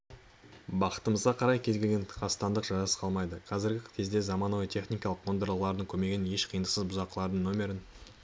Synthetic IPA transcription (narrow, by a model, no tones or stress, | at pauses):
bɑqə̥t̪əməzʁɑqʰɑɾɑjkʲʰe̞zɡʲe̞lɡʲenʰqʰɑst̪ɑnd̪əqʒɑɾɑsəɑlˠmɑjd̪əqʰɑzɪɾɡʲɪkʲʰe̞zd̪e̞zɑmɑnuwəjt̪ʲʰe̞χnijkɑlˠəqmo̞nd̪əɾlˠəʁəlˠɑɾd̪əɴŋkʲʰɵme̞ɡʲɪnje̞ʃqʰijənd̪əsəzbʊzɑqːəlˠɑɾd̪əɴno̞mʲe̞ɾɪn